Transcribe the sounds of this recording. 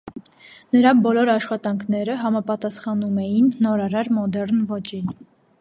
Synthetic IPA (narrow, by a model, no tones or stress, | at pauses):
nəɾɑbɔlɔɾɑʃχɑt̪ɑŋkʰn̪ɛɾəɦɑmɑpɑt̪ɑsχɑnumɛjinːɔɾɑɾɑɾmɔd̪ɛɾnvɔt͡ʃin